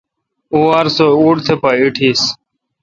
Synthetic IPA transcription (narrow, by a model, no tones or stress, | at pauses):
uaɾsouːɽt̪ʰepaiʈʰiːs